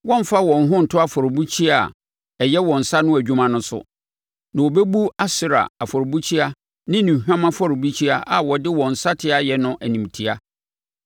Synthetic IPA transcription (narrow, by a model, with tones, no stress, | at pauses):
wɔ̃˦ɱ˦fa˦wɔ̃˨n˦ɦʊ̃˦n̩˨tʰʊ˦a˨fɔ˨ɾʊ˨bu˦t͡ɕʰi˦a˨ | ɛ˨jɛ˦wɔ̃˨n̩˨sa˦nʊ̃˦æ˨d͡ʑᶣu˦mã˦nʊ̃˦sʊ̰˨ | nã˨wɔ˨bɛ˦bu˦a˦sɪ˦ɾa̰˨a˨fɔ˨ɾo˨bu˦t͡ɕʰi˦a˦ | nɪ̃˦nĩ˨hᶣã˦mã˦fɔ˦ɾɪ˨bu˦t͡ɕʰi˦a˦ʔa˨wɔ˨dɪ˦wɔ̃˨n̩˨sa˦tʰɪ˦a˨jɛ˨nʊ̃˦ʔæ˨nĩ˨mtʰi˦a˦